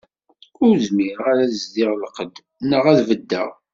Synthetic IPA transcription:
ʊɾzmiɾaɾæzd̪ɪʁlqəd̪ | nəʁæðvəd̪ːæ̰ʁ

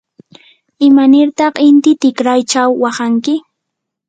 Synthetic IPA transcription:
ɪmanɪɾt̪ɑχɪnt̪ɪt̪ɪkɾajt͡ʃawːɑχaŋkɪ

